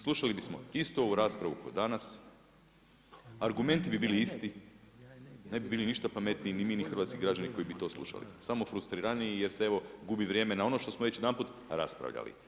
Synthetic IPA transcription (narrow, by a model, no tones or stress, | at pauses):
slˠuʃalibismo̞̰ist̪o̞uɾaspɾaʋuko̞d̪anas | aɾɡume̞nt̪ibibiːliist̪i | ne̞bibiːliniʃt̪apame̞t̪nijinimiːnixrʋat̪kiɡɾad͡ʒaniko̞ibit̪o̞slˠṵʃa̰lḭsamo̞fɾust̪ɾiɾanijije̞ɾsee̞ʋo̞ɡubiʋɾje̞ːme̞nao̞no̞ʃt̪o̞smoʋet͡ʃjed̪anput̪ | ɾa̰spɾa̰ʋʎa̰lḭ